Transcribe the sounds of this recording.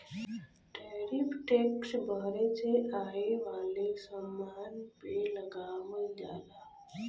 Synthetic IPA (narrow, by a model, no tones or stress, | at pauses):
ʈeɾipʰʈeksbʱəɾet͡ʃeʔaɦeʋaːlesəmːaːnpeləɡaʋəd͡ʒa̰ːlaː